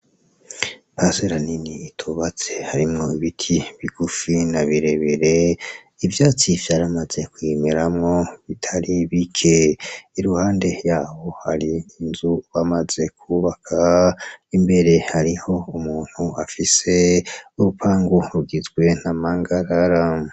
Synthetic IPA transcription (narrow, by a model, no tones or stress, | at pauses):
paseɾaniniːtʰuβat͡se̞̥haɾimŋo̞iβitʰiβiɡ̥ufinaβiɾeβiɾe̞ | ivjaːt͡sivjaːɾamaz̥e̞kwemeɾamŋo̞βitʰaɾiβikʰeiɾuhaːnde̞jaːho̞haɾiːnzuβamaz̥e̞kʰuβakʰaimbe̞ɾe̞haɾiho̞umuːn̥huafise̞uɾupʰaːŋɡuɾuɡizɡwe̞n̥amaŋɡaɾaɾa